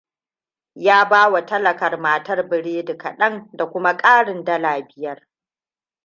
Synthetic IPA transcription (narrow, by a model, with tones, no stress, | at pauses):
jaː˦baː˦wa˨tɐ˦lɐ˨kɐ˨rmaː˨tɐ˦rbɪ˨ɽeː˦dɪ˨kɐ̰˨ɗɐ˦ŋda˨kʷʊ˦ma˦kʼaː˦ɽɪ˨ndɐ˦laː˨bɪ˦jɐ˦r